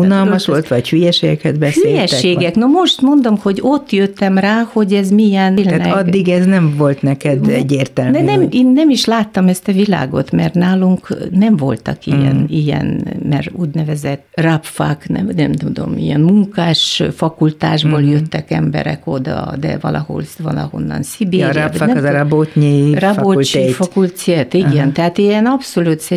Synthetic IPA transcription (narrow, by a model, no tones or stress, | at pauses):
unɒlmɒʃʋolt̪ʋɒchyjɛʃeːɡɛkhɛd̪bɛsheyjɛʃeːɡɛknomo̞ʃt̪mo̞nd̪o̞mho̞ɟo̞t̪ːjøt̪ːɛmraːho̞ɟɛzmijɛnːlɛɒd̪ːiɡɛznɛɱvo̞lt̪nɛkɛd̪ɛɟːeːrt̪ɛld̪ɛnɛmeːnːɛmiʃlaːt̪ːɒmɛst̪ɒvila̰ːɡo̞̰t̪mɛrt̪naːluŋknɛɱvo̞̰lt̪ɒ̰kijɛ̰nijɛ̰nmɛruːɟnɛvɛzɛt̪ːrapfaknɛnɛmt̪ud̪o̞̰mḭjɛnmuŋkaːʃfɒkult̪aːʒboːljøt̪ːɛkɛmbɛ̰ɾɛ̰kod̪ɒ̰d̪ɛ̰vɒ̰lʔɒho̰lvɒlɒho̞̰nːɒ̰nsibeɾafaɛzɾɑbot̪ɲirɒolt͡ʃefɒkult̪set̪iɡɛnt̪ɛɦaːt̪iɛnɒpsolut̪sɛ